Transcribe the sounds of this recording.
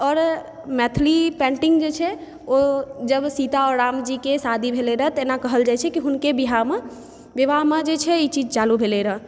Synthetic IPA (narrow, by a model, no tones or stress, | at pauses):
ɔːɾ | mɛt̪ʰlipɛ̃ɳʈiŋɡd͡ʒet͡ʃʰɛ | od͡ʒəbsit̪aɔɾɾamd͡ʒikesad̪ʱibʱeleɾəɦt̪ɔenakəɦəld͡ʒajt͡ʃʰɛkiɦunkebiɦaɦme | bebaɦmed͡ʒet͡ʃʰɛit͡ʃid͡ʒt͡ʃalubʱeleɾəɦ